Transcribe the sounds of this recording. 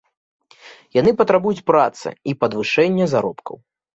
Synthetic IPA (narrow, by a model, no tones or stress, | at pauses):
janɨpɐt̪ɾabujut͡sʲpɾat̪sɨ̰ipɐd̪vɨʂɛnʲːɐzaɾɔpkʰɐ̰w